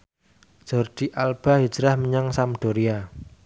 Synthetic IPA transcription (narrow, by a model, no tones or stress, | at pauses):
d͡ʒ̥ɔrd̪̥i̤ʔalb̥a̤ɦi̥d͡ʒɾahməɲaŋsamɖ̪̥o̤ɾia